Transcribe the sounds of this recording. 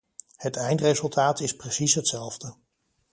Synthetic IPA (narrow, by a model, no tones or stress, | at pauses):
hətɛjntrejzɵlˠtʰaːtɪsprəsisɦətsɛlˠvdə